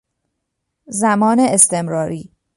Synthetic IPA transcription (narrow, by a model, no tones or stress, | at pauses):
zæmɒːneest̪ʰe̞mɾɒːɾiː